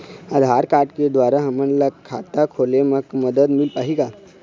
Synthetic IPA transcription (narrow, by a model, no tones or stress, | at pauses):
əd̪ʱɦaɾkaɾʈked̪ʋaɾaɦəmənlakʰa̰t̪akʰoleməkməd̪əd̪milpaɦika